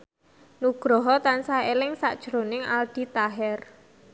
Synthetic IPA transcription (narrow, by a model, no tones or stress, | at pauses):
nuɡ̥ɾɔɦɔt̪ansaelɪŋsa̰ʔd̥ʒ̥ɾonɪŋa̰ld̪̥i̤t̪aɦɛr